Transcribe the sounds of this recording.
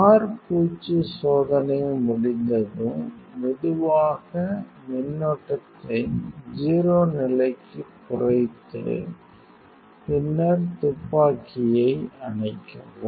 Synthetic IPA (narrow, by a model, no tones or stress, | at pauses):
aːɾpuːt͡ʃːɯsoːðɐnɐmʊɽɪnd̪ɐðɯmmɪðɯʋaːɣɐ | mɪnːɔʈːɐt̪ːɐɪd͡ʒiːɾoːnɪlɐɪkːɯpːʊrɐɪt̪ːɯ̰ | pɪnːɐɾt̪ʊpːaːkɪjɐɪɐɳɐɪkːɐʋɯm